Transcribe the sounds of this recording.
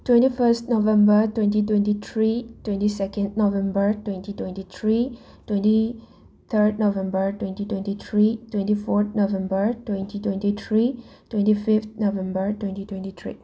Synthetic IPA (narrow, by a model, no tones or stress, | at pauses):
twɛ̃ntifəstnovɛ̃mbətwɛ̃ntit̬wɛ̃ntit̪ʰɹitwɛ̃ntisɛkə̃nnovɛ̃mbətwɛ̃ntitwɛ̃ntit̪ʰɹi | twɛ̃nti | t̪ʰəd̚novɛ̃mbətwɛ̃ntitwɛ̃ntit̪ʰɹitwɛ̃ntifɔt̪̚novɛ̃mbətwɛ̃ntitwɛ̃ntit̪ʰɹitwɛ̃ntifift̪̚novɛ̃mbətwɛ̃ntitwɛ̃ntit̪ʰɹḭ